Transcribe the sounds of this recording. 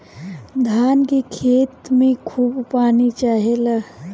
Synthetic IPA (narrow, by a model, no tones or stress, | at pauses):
d̪ʱaːnkekʰeːt̪mẽkʰuːbpaːnit͡ʃaːɦela